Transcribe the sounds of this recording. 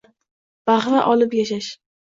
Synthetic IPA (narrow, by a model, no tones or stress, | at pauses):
b̥aχɾaʔɒlɪpjaʃaʃ